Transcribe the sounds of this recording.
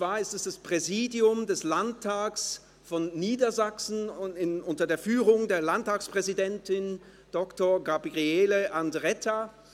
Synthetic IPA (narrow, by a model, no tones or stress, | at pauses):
t͡sv̥aːɐɪstɛsd̥aspʁ̥ɛziːdiʊmdɛslantʰːaːks | fɔnːiːdɐzaksn̩ɪʊntɐdeːɐfyːʁʊŋdeːɐlantːaːkspʁ̥ɛzidɛntɪn | d̥ɔktoɐɡabiʁiɛːləʔandʁɛtʰa